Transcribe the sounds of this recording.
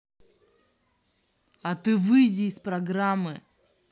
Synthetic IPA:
ɐt̪ɨvɨjdʲɪːspɾɐɡɾamːɨ

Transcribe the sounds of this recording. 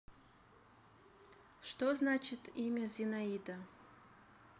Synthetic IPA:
ʂt̪oznat͡ʃɪt̪ʰimʲɐzʲɪnaid̪ɐ

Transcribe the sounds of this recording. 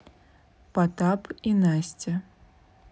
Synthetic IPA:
pat̪apinasʲt͡sʲɐ

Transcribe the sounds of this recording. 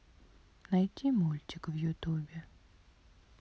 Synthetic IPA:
najtʲʰimulʲt͡ɕʲɪkvjʊt̪ubʲɪ

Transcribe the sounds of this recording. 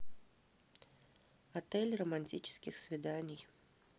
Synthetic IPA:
at̪ɛlʲrɐmanʲtʲit͡ʃɪ̥skʲixsʲvʲid̪anʲij

